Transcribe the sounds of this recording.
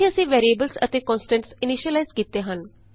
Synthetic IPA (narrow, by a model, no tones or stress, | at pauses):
ĩːəsĩːʋeːɾieːbəlsə̰t̪eːkɔ̃ːnsʈə̃ɳʈsɪniʃiəlaizkiːt̪eːɦən